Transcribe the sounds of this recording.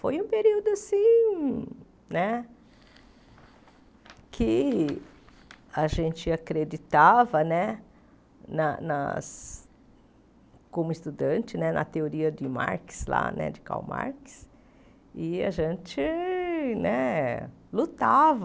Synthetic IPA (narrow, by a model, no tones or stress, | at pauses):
fojũpeɾiwd̪ʊasĩ | nɛ | kʰɪ | aʒẽnt͡ʃɪakɾed͡ʒit̪avɐnɛ | nɐnɐ̰s | kõmʊɪst̪ud̪ɐ̃nt͡ʃɪnɛnʔɐ̰t̪eoɾiɐd̪ɪma̰ɾkɪ̥sla̰nɛ̰d͡ʒɪka̰wma̰ɾkɪ̥s | ɪa̰ʒẽnt͡ʃɪ | nɛ | lut̪av